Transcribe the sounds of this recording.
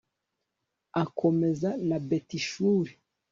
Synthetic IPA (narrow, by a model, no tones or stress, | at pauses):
akʰome̞zanabetiʃuːɾi